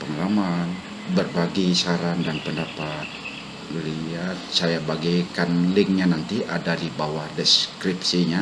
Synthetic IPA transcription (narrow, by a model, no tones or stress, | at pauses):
pəŋalaman | bərbaɡisaɾandanpəndapat̪̚ | liat̪̚sajabaɡijkanlɪŋɲanant̪iʔadadibawahdɛskɾip̚siɲa